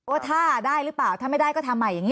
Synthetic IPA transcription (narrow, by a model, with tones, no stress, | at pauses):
ʔoː˦˥˩t̪ʰaː˥˩daː˥˩jɾɯ˦˥plaː˨˩wt̪ʰaː˥˩ma˥˩jdaː˥˩jkɔ˥˩t̪ʰa˧mːa˧jːa˨˩ŋi˦˥